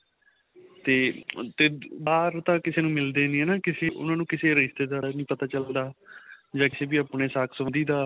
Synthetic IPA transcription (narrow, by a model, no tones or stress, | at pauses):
t̪eːt̪eːbaːɾt̪ãːkɪseːnũːmɪld̪eːnĩːɛːnãːkɪseːʔʊ̰nãːnũːkɪseːɾɪʃt̪eːd̪aːɾanĩːpət̪aːt͡ʃəld̪aːd͡ʒãːkɪseːbiːaːpɳeːsaːkʰsəʋənd̪iːd̪aː